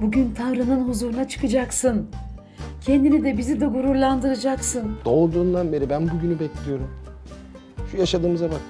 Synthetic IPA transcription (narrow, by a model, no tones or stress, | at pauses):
buɟynt̪ʰavɾɯnɯnɦuzuɾunat͡ʃʰɯ̥kʰɯd͡ʒaksɯn | cʰɛnd̪inid̪ɛbizid̪ɛɡuɾuɾlˠand̪ɯɾɯd͡ʒaksɯnd̪̥o̞lˠd̪uːnd̪anbeɾibænbuɟynybɛclʲijo̞ɾum | ʃujaʃad̪ɯːmɯzaman